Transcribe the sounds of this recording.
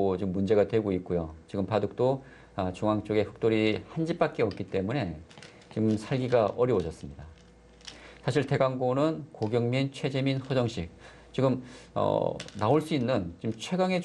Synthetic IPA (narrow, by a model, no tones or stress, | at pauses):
t͡ɕiɡɯmːund͡ʑe̞ɡadwe̞ɡoik͈̚ujot͡ɕiɡɯmpadɯk̚t͈o | at͡ɕuŋaŋt͡ɕ͈oɡe̞ɸɯ̥k̚t͈oɾihand͡ʑip͈ak̚k͈e̞ʌk̚k͈it͈e̞mune̞ | t͡ɕimsʰaɭɡiɡaʔʌɾjʌwod͡ʑʌs͈ɯmɲida | sʰaɕʰiɭte̞ɡaŋɡonɯnkoɡjʌŋmint͡ɕʰwe̞d͡ʑe̞minɸʌd͡ʑʌŋɕʰik̚ | t͡ɕiɡɯmʌ̰naoɭs͈uinːɯnt͡ɕimt͡ɕʰwe̞ɡaŋe̞